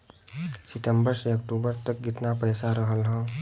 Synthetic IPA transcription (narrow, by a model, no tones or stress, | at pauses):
sɪʈ̪ə̃mbəɾseɐk̚ʈuːbəɾt̪ək̚ɡɪt̪napəjsaɾəɦəlɦɛ̃ː